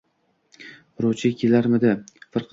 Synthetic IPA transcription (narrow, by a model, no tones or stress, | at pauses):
ɾot͡ʃʰɪkʲʰelaɾmɪd̪ɪfɨɾqʰ